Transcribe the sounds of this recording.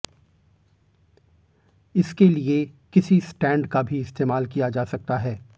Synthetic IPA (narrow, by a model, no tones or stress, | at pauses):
ɪskeliekɪsisʈɛ̃ːɳɖkabʱiɪst̪eːmaːlkijad͡ʒaːsɐk̚t̪aɦɛː